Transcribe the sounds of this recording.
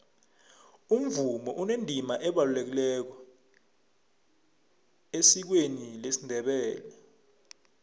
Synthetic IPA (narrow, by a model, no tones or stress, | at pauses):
um̩vumɔʔunendʱimaʔɛɓalulek̬ilɛk̬ɔ | esik̬wenilesindʱɛɓɛːlɛ